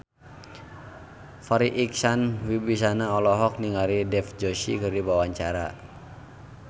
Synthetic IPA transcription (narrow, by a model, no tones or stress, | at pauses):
faɾiʔiksanwibis̬anaɔlɔɦɔk̚niŋaɾidɛfd͡ʒɔʃḭkɨrdibawaɲt͡ʃaɾa̰